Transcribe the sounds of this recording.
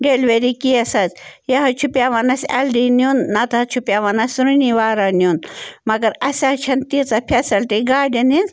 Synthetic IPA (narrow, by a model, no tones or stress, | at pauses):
ɖeːlʋeɾikiɐsɐzjɐɦɐt͡ʃʰupjaːʋanɐsʲɐlɖiniunːɐt̪ɐɐt͡ʃʰupjaːʋanɐsʲɾuniʋaːɾanʲjunmɐɡɐɾɐsʲat͡ʃʰɐnt̪it͡sɐpʰesɐlʈiɡaːɖɐnin